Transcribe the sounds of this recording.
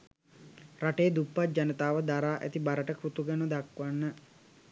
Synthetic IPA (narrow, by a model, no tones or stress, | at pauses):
raʈeːd̪upːat̪̚d͡ʒanət̪aːʋəd̪aɾaːʔæ̰t̪ibaɾəʈəkrut̪uɡənəd̪akʋanːə